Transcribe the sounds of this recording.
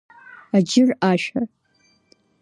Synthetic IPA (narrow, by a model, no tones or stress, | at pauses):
ad͡ʒɪraʃᶣar